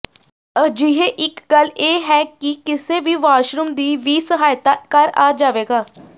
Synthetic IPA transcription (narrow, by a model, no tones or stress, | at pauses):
əd͡ʒɪɦeːʔɪkɡəleːɦɛːkikɪseːʋiːʋaːʃɾʊmd̪iːʋiːsəɦaːjt̪aːkəɾa̰ːd͡ʒaːʋeːɡaː